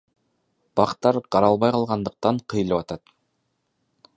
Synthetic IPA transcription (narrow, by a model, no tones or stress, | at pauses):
b̥ɑqt̪ɑɾqʰɑɾɑlˠβɑjqʰɑlˠʁɑnd̪ɤ̆q̚t̪ɑɴqʰɯjɯlˠɯpɑt̪ɑt̪